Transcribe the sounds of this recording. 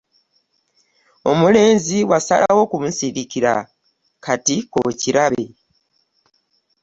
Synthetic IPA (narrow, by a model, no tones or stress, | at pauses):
o̞mule̞ːnziwasa̰la̰wo̞kumusiɾikiɾa̰ | kʰatiko̰ciɾaβe̞